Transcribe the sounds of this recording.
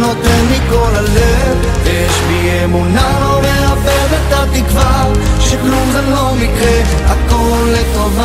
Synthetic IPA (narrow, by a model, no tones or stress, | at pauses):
not̪ɛnlikolazɛ | ve | ʃbiemuna | omeabɛvɛt̪at̪ikva | ʃeklumzɛlomikʁɛ | akolːet̪ova